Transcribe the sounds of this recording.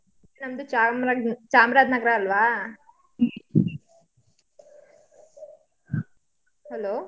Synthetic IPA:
nɐnd̪ut͡ʃamt͡ʃaːmɾaːd̪nɐɡɾaːɐlʋaː | hɛloː

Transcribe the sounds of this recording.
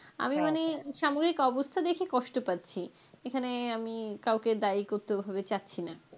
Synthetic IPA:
a̰mimaneʃamoɡɾikɔbost̪ʰad̪ekʰekɔʃʈopatːɕʰi | ekʰaneamikawked̪aikoɾt̪eobʱabet͡ɕatːɕʰina

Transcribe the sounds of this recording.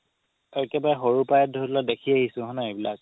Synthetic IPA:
ɔkɛbaɦoɹupajɛt̚dʱɔtladekʰiahisʊ̃ɦɔnaebilak̚

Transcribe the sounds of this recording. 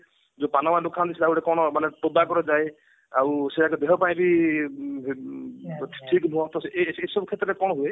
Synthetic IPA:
d͡ʒopanɔmalukʰand̪isʰilawɾekɔɽ̃ɔmanepod̪akɔɾɔd͡ʒae | awseakud̪eɦɔpaĩbi | ʈʰikbʱuɔt̪ɔseeesɔbukʰet̪ɾɔɾekɔɽɔɦue

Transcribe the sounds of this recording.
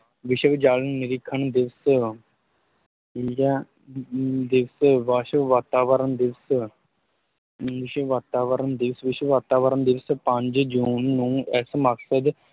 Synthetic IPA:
ʋɪʃəʋd͡ʒaːlənnɪɾɪkʰːənd̪ɪʋs | ja | d̪ɪʋsʋaːʃəʋaːt̪aːʋəɾənd̪ɪʋs | ʋɪʃəʋaːt̪aːʋəɾənd̪ɪʋsʋɪʃʋaːt̪aːʋəɾənd̪ɪʋspə̃ɲd͡ʒd͡ʒuːnːũːɛːsməksəd̪

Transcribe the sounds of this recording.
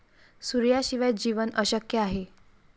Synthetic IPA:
suɾjaɕiʋaj̪̚d͡ʑiʋənəɕəkjəaɦe

